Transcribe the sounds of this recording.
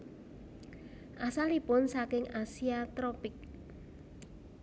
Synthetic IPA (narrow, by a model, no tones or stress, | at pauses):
ʔasalipʊnsakɪŋasiat̪ɾɔpɪk̚